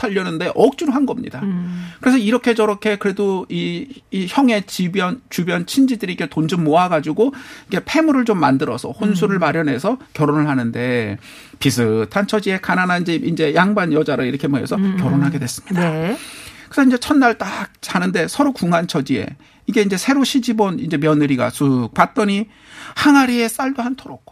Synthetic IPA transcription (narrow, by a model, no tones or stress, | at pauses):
tʰaʎːʌnɯnde̞ʔʌk̚t͡ɕ͈uɾoɦanɡʌmɲḭdakɯɾe̞sʰʌiɾʌkʰe̞d͡ʑʌɾʌkʰe̞kɯɾe̞doiːçjʌŋe̞t͡ɕibjʌnt͡ɕubjʌnt͡ɕʰind͡ʑidɯɾikʰe̞tond͡ʑɯmmoaɡad͡ʑiɡoike̞pʰe̞muɾɯɭt͡ɕomːandɯɾʌsʰʌ̰hons̬ʰuɾɯɭmaɾjʌnɦe̞sʰʌkjʌɾonɯɭhanɯnde̞ | pisʰɯtʰant͡ɕʰʌd͡ʑie̞kananand͡ʑiind͡ʑe̞jaŋbanjʌd͡ʑaɾɯiɾʌkʰemoḛsʰʌkjʌɾonɦaɡe̞dwe̞s͈ɯ̥mɲida | kɯsʰʌind͡ʑe̞t͡ɕʰʌnːaɭt͈ak̚t͡ɕanɯnde̞sʰʌɾokuŋant͡ɕʰʌd͡ʑie̞̰ | iɡe̞ind͡ʑe̞sʰe̞ɾoɕʰid͡ʑibonind͡ʑemjʌnɯɾiɡa̰sʰuk̚pat̚t͈ʌɲi | haŋaɾie̞s͈aɭdohantʰoɾok̚